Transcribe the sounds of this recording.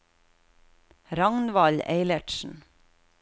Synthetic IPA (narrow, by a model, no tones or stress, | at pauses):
ɾɑŋnʋɑlḛɪləʈʃn̩